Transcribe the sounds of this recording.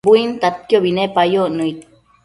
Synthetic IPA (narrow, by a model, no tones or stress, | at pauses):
buint̪at̪̚kjobinepajoʔnuit̪